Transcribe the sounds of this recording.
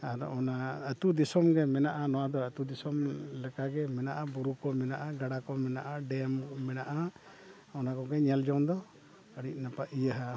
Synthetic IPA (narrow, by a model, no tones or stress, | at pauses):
aɾɔ̰naət̪ud̪isɔmɡɛmɛnaʔanɔwad̪ɔət̪ud̪isɔmlɛkaɡɛmɛnaʔabuɾukɔmɛnaʔaɡaɽakɔmɛnaʔaɖɛmːɛnaʔa | ɔnakɔɡɛɲɛld͡ʒɔwnd̪ɔ | əɽic̚ˀnapaijəɦa